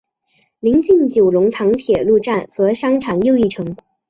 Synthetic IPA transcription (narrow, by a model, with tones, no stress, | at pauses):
li˧˥ŋt͡ɕi˥˩ŋt͡ɕjo˨˩ʊlʊ˧˥ŋt̪ʰɑ˧˥ŋt̪ʰjɛ˨˩lu˥˧ʈ͡ʂa˥˩nxɤ˧˥ʂɑ˥ŋʈ͡ʂʰɑ˨˩ŋjo˥˧ʊi˥˩ʈ͡ʂʰɤ˧˥ŋ